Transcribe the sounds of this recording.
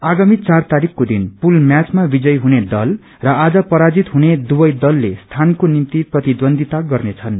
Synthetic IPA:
aɡamit͡sart̪aɾikʰkod̪inpulmjat͡smabid͡zʌjɦuned̪ʌl | rʌad͡zʌpʌɾad͡zit̪ɦuned̪ubʌjd̪ʌlːest̪ʰankonint̪iprʌt̪id̪ʌnd̪ʱit̪aɡʌrnet͡sʰʌn

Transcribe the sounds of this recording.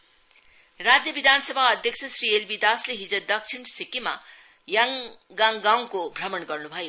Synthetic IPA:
rad͡zjʌbid̪ʱansʌbʱaʌd̪ʱjʌk̚t͡sʰʌsrielbid̪asleɦid͡zʌd̪ʌkt͡sʰiɳsikima̰ | jʌŋɡaŋɡaw̃kobʱrʌmʌnɡʌrnubʱʌjo

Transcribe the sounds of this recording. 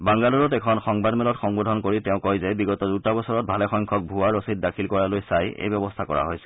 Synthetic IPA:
baŋɡaluɹɔtɛkʰɔnxɔŋbadmɛlɔtxɔŋbɔdʱɔnkoɹitɛʊ̃kɔjzɛbiɡɔtɔdutabɔsɔɹɔt̚bʱalɛxɔjŋkʰɔk̚bʱuaɹosit̚dakʰilkɔɹalojsajḛjbɔbɔstʰakɔ̰ɹa̰ɦojsɛ̥

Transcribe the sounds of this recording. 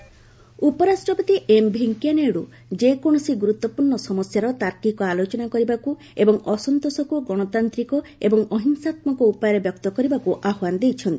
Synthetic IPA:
upɔɾasʈɔpɔt̪iʔembʱeŋkijaneɽu | d͡ʒekɔɽ̃ɔsiɡuɾut̪ːɔpuɾɳɔsɔmɔsjaɾɔt̪aɾkikɔalot͡ʃɔnakɔɾibaku | ebɔŋɔsɔnt̪osɔkuɡɔɽ̃ɔt̪ant̪ɾikɔebɔŋɔɦiŋsat̪mɔkɔupajɔɾebjɔk̚t̪ɔkɔɾibakuʔaɦwand̪ejt͡ʃʰɔnt̪i

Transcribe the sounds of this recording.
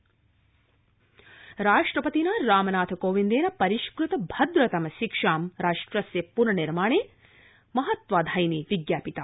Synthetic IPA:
ɾaːʂʈɾɐpɐt̪inɐɾaːmɐnaːt̪ʰɐkoːʋind̪eːnɐpɐɾiʃkɾut̪ɐbʱɐd̪ɾɐt̪ɐmɐʃikʂaːmɾaːʂʈɾɐsjɐpunɐniɾmaːɳeː | mɐɦɐt̪ʋaːd̪ʱɐjniʋiɡjaːpit̪a

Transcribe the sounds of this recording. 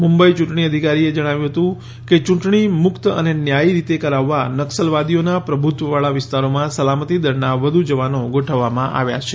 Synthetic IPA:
mũmbəit͡ʃũʈɳ̃iəd̪ʱikaɾied͡ʒəɽ̃aʋjũɦət̪ũ | ket͡ʃũʈɳimʊkt̪ə̰nenjaiɾit̪ekəɾaʋːanəksəlʋad̪ijonapɾəbʱut̪ʋəʋaɭaʋɪst̪aɾomãsəlamət̪id̪əɾnaʋəd̪ʱud͡ʒəʋanoɡoʈʰəʋːamãʔa̰ʋja̰t͡ʃʰe

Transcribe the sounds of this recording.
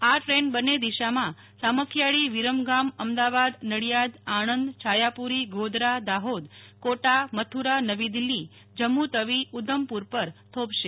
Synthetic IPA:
aʈɾenbənːed̪iʃamã | saməkʰjaɭiʋiɾəmɡaməmd̪aʋad̪nəɽjad̪aɳənd̪t͡ʃʰajapuɾiɡʱod̪ɾad̪aɦod̪koʈamət̪ʰuɾanəʋid̪ilːi | d͡ʒəmːut̪əʋiud̪ʱəmpuɾpəɾt̪ʰobʃe

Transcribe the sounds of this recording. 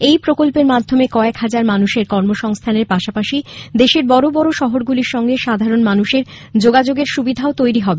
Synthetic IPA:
ejpɾokolpeɾmad̪ʱːomekɔekɦad͡ʑaɾmanuʃeɾkɔɾmoʃɔŋst̪ʰaneɾpaʃapaʃid̪eʃeɾbɔɾobɔɾoʃɔɦoɾɡuliɾʃɔŋɡeʃad̪ʱaɾonmanuʃeɾ | d͡ʑoɡad͡ʑoɡeɾʃubid̪ʱaot̪ojɾiɦɔbe

